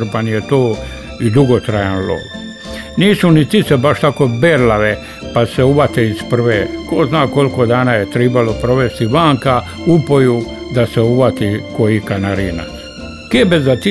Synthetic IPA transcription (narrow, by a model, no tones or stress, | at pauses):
ɾpanjet̪oː | id̪uɡot̪ɾajanlo̰ʋ | niːsunit̪isebaʃt̪akobeːɾlaʋe | paseuʋat̪eispr̩ʋeːkoznaːko̞lkod̪aːnaːjet̪ɾibalopɾo̞ʋest̪iʋaːŋka | upoju | d̪aseuʋat̪ikojikanaɾiːna̰ | keːbezat̪i